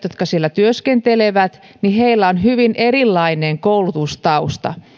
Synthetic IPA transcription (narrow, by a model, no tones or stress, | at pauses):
jot̪̚kɑsielːæt̪yøskent̪eleʋæt̪ | niheilːæonhyʋinʔerilːɑineŋkoulut̪ust̪ɑust̪ɑ̰